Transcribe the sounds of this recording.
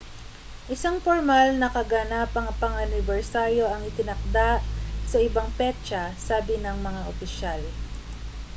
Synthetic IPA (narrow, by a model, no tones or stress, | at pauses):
ʔɪsaŋfoɹmalnɐkɐɡanapɐŋpɐŋɐnɪbɛɹsaɾjo̞ʔɐŋɪt̪ɪnɐk̚d̪aʔsɐʔɪbaŋpɛt͡ʃɐsaːbɪnɐŋmɐŋaʔopɪʃal